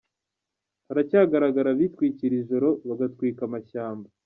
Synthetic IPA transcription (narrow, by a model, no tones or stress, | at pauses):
aɾacaːɡaɾaɡaɾaβitwiːciɾiʒo̞ɾo̞βaɡatkwiːkamaçaːmba